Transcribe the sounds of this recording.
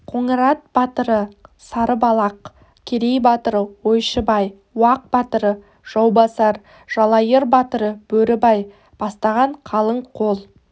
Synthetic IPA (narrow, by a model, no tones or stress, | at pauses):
qʰoɴəɾɑt̪̚b̥ɑt̪əɾəsɑɾəbɑlˠɑq | kʲʰeɾejbɑt̪əɾəwojʃəbɑj | wɑq̚b̥ɑt̪əɾə | ʒ̥ɑwbɑsɑɾ | ʒ̥ɑlˠɑjəɾbɑt̪əɾəb̥ɵɾɪbɑj | b̥ɑst̪ɑʁɑɴqʰɑlˠəɴqʰolˠ